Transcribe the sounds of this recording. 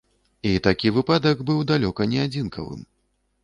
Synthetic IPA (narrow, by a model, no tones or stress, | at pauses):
it̪akʲivɨpad̪ɐɡbɨwd̪alʲɔkɐnʲɛad͡zʲinkʰɐ̰vɨ̰m